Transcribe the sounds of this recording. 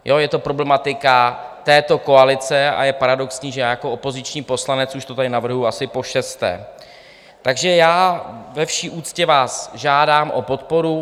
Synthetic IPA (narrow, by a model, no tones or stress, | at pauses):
jo̞jɛt̪o̞pɾo̞blɛmat̪ɪkat̪ɛːt̪o̞ko̞alɪt͡sɛa̰jɛpaɾado̞ksɲiːʒɛjaːjako̞opo̞zɪt͡ʃɲiːpo̞slanɛt͡suʃt̪o̞t̪adɪnavr̩ɦujuasɪpo̞ʃɛst̪ɛ̰ː | t̪aɡʒɛjaːvɛfʃiːʔuːt͡scɛvaːsʒaːdaːmʔo̞̰po̞t̪po̞ɾu